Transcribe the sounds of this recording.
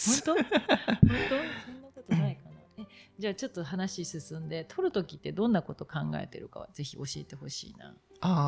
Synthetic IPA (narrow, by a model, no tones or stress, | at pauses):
hõnt̪ohõnt̪osõ̞nːako̞t̪onaikanaed͡ʑaːt͡ɕo̞t̪ːo̞ɦanaɕisɨsɨ̃nd̪e̞t̪ʰo̞ɾɯ̟t̪o̞kʲit̪ːe̞d̪õ̞nːako̞t̪o̞kãŋɡa̰e̞̰t̪e̞ɾɯ̟ka̰βa̰ze̞çiʔo̞ɕie̞t̪e̞ho̞ɕḭːna̰ː | a